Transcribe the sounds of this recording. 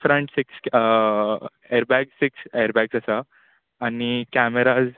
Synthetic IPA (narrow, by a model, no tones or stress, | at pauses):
fɾə̃ɳʈsiks | eɾbæɡsiksejəɾbæɡsasaː | nikæmeɾaz